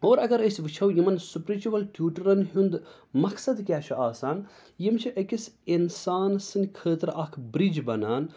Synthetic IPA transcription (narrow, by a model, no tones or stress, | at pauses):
oːɾɐɡɐɾəsʲʋɨt͡ʃʰɐwjimɐnsupɾit͡ʃuʋɐlʈjuːʈɐɾɐnɦund̪ | mɐksɐd̪kʲjaːt͡ʃʰuʔaːsaːn | jimt͡ʃʰiʔɐkisinsaːnsɨnʲkʰəːt̪ɾaːkʰbɾid͡ʒbɐnaːn